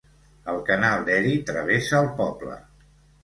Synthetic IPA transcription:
əlˠkənalˠd̪ɛɾit̪ɾə̰β̞esəːlˠpɔblə̰

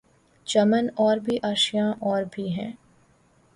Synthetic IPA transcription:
t͡ʃɐmənɔːɾbʱiʔaːʃjãʔɔːɾbʱiɦɛ̰̃ː

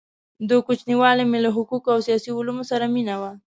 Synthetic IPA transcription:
d̪əkut͡ʃniwɑlemelaɦʊkukawsijɑsiʊlumosaɾaminawa

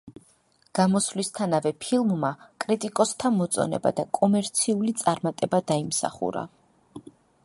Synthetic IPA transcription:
ɡ̥amɔslist̪ʰanavɛpʰilˠmmakʼɾit̪ʼikʼɔst̪ʰamɔt̪sʼɔ̰nɛ̰ba̰d̪akʼɔmɛɾt̪sʰiulit̪sʼaɾmat̪ʼɛbad̪aimsa̰χṵɾa̰

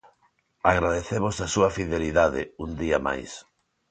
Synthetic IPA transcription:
aɣɾaðeθeβozasuɐfiðeliðaðɪ̰und̪iɐma̰js

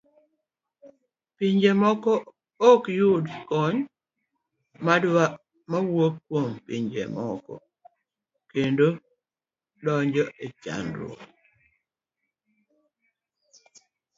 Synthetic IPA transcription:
piɲd͡ʒemɔkɔ | ɔkjudkɔɲ | madwa | mawokːwompḭɲd͡ʒḛmɔ̰kɔ̰ | kendo | dɔɲd͡ʒɔʔet͡ʃa̰ndɾɔ̰

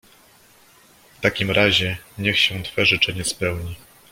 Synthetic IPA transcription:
ft̪akʲimɾaʑɛɲɛxɕɛ̃t̪fɛʐɘt͡ʂɛɲɛspɛwɲi

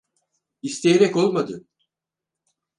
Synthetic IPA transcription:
ist̪ʰejeɾɛko̞lˠmad̪ɯ

